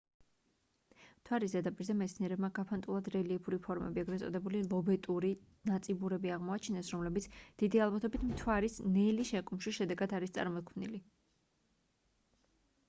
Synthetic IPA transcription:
mt̪ʰwaɾizɛd̪apʼiɾzɛmɛt̪sʰniɛɾɛbmaɡapʰant̪ʼulˠad̪ɾɛliɛpʰuɾipʰɔɾmɛ̰biɛɡɾɛt̪sʼɔ̰d̪ɛbulilˠɔbɛt̪ʼuɾi | nat̪sʼibuɾɛbiaʁmɔat͡ʃʰinɛsɾɔmlɛbit̪sʰd̪̥id̪ialˠbat̪ʰɔbit̪ʰmt̪ʰwaɾisnɛliʃɛkʼumʃiʃɛd̪ɛɡad̪aɾist̪sʼa̰ɾmɔt̪̚kʰmnḭli

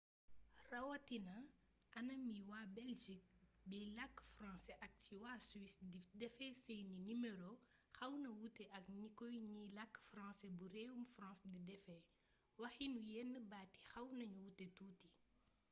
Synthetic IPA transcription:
rɐwɐtinɐ | ɐnɐmiwaːbɛlʒik̚bilɐkːfrɑ̃ːsɛʔɐk̚t͡ʃiwaːswisdidɛfɛsɛninimɛɾo | xɐwnɐwutɛʔɐkɲikɔjɲilɐkːfrãːsɛbuɾɛwumfrɑ̃ːsdidɛfɛ | wɐxinujɛnːəbaːti̥xɐwnɐɲuwutːɛtuːti

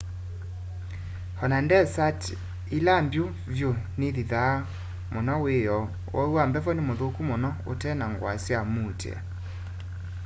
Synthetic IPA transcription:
hɔnandɛsat | ilambjo | vjoneðiða | monɔwejɔ | wʔɔ̰uwambɛfɔnemoðokumonɔotɛnaŋɡwa̰sjamutḛa̰

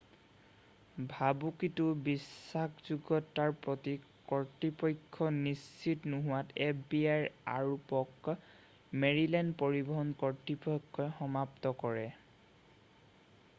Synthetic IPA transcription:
bʱabukitubisːakzuɡɔtːaɹpɹɔti | kɔɹtipɔjkʰːɔnist͡ʃitnuɦʊwatepbiajɹa̰ɹupɔk | meɹilɛndpoɹibɔɦɔnkɔɹtipɔjkʰːɔxɔmaptɔkɔɹɛ

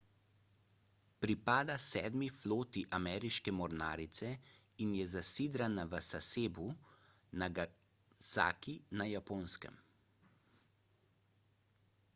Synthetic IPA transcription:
pɾipaːd̪asɛːd̪mifloːt̪iʔamɛːɾiʃkɛmɔɾnaːɾit̪sɛinjɛzasiːd̪ɾanaʋəsaseːbu | naɡ | sa̰ːkinajapoːnskə̰m

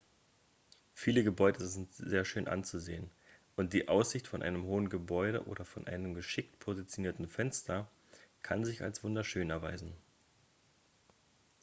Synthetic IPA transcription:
fiːləɡəbɔʏdəzɪntz̥eːɐʃøːnʔa̰nt͡suzḛːən | ʔʊnt̚d̥iːʔaʊsz̥ɪçtfɔnʔa̰ɪnəmɦoːənɡəbɔʏɾə̰ʔo̰ːɾɐfɔnʔa̰ɪnəmɡəʃɪktpʰozit͡sjoniːɐtn̩fɛnstʰɐ | kʰa̰nzɪça̰lsv̥ʊndɐʃøːnɛɐvaɪzn̩

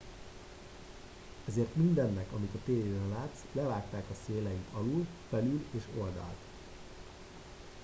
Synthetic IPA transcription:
ɛzeːrt̪mind̪ɛnːɛkɒmit̪ɒt̪eːjeːɾɛnlaːt̪slɛvaːkt̪aːkɒseːlɛjit̪ɒlulfɛlyleːʃo̞ld̪ɒ̰lt̪

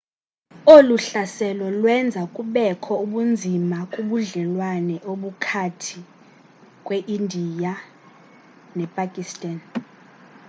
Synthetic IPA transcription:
oluɬasɛlɔlwɛnd͡zʱakʼuɓɛkʰɔuɓund͡zʱimakʼuɓuɮɛlwanɛʔoɓukʰatʰi | kʼweʔindʱija | nɛpʼakʼistʼan

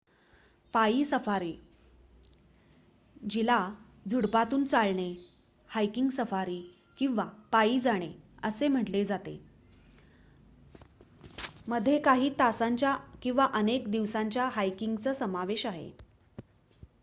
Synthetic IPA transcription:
paiːsəfaɾiː | d͡ʑila | d͡zʱuɽpat̪uːnt͡salɽ̃e | hajkiŋɡsəfaɾiː | kĩw̃ʋapaiːd͡zaɽ̃eəsem̤əʈled͡zat̪ḛ | məd̪ʱjekaɦiːt̪asaɲt͡ɕjakĩw̃ʋaʔənekd̪iʋsaɲt͡ɕjaɦajkiŋɡt͡səːsəmaʋeɕaɦḛ

